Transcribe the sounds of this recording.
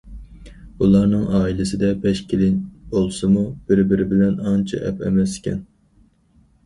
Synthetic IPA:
ulˠɑɾnɨŋʔɑːilɪsɪd̪ɛbɛʃkʲʰelɪnbolˠsɨmub̥ɪɾbɪɾɪbɪlɛnɑnt͡ʃʰɑ̰ʔɛ̰pɛ̰mɛsɪ̥kʲʰɛ̰n

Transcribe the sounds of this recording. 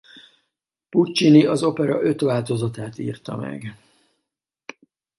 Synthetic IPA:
put͡ʃːiniɒzo̞pɛɾɒʔø̞t̪ʋaːlt̪o̞zɒt̪aːt̪ḭːrt̪ɒmɛ̰ɡ

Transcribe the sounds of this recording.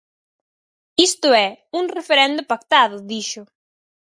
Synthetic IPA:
ist̪ʊɛuŋrefeɾɛnd̪ʊpakt̪aðʊðiʃʊ

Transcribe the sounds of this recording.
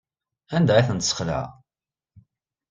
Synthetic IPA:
ænd̪æiθənt̪sə̥χlə̰ʕ

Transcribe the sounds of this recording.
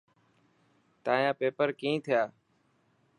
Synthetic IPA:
t̪ãːjãːpeːpəɾkĩːt̪ʰɪjaː

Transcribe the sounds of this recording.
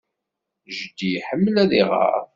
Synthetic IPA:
ʒd̪iħəmːəlæðiʁə̰ɾ

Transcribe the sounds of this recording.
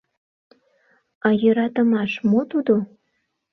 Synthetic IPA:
ɑjøɾɑt̪əmɑʃmot̪ud̪o

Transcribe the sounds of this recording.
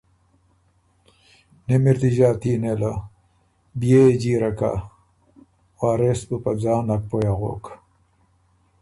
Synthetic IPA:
nemiɾt̪iʑaːt̪iːnela | bijed͡ʑiːɾɐka̰ | waːɾesbupɐd͡zaːnɐk̚pojaʁo̰ːk

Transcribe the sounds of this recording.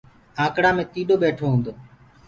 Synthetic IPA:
ãːkɽãːmẽːt̪iːɗoːɓeːʈʰoːɦũːnd̪oː

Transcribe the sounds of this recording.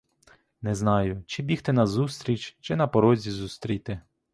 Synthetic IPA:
nɛznɑjʊt͡ʃɪbʲixt̪ɛnɐzust̪ɾʲit͡ʃʲt͡ʃɪnɐpɔɾɔzʲizust̪ɾʲijt̪ɪ

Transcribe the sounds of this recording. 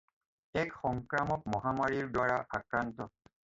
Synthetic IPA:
ɛkxɔŋkɹamɔk̚mɔɦamaɹiɹdwaɹaʔakɹantɔ

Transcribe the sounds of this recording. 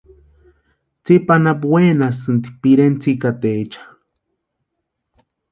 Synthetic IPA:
t͡sipanap̬wenas̬ɨnd̪i̥piɾent͡sikat̪eːt͡ʃḁ

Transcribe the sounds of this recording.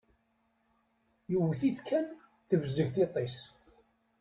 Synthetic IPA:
jəwːθiθkʰæn | θəvzəʝθit̪ˤes

